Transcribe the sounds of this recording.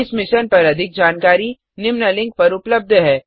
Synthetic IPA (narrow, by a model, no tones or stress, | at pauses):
ɪsmɪʃənpɐɾɐd̪ʱɪk̚d͡ʒaːnkaːɾi | nɪmnəlɪ̃ŋɡ̚pɐɾʊpləb̚d̪ʱɦɛː